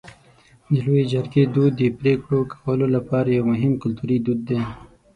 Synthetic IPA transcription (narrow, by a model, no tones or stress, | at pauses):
d̪əloed͡ʒɐɾɡed̪ud̪ːəpɾekɽokḁwəlolapɑːɾajawmʊɦɪmkʊlt̪uɾid̪ud̪̚ːe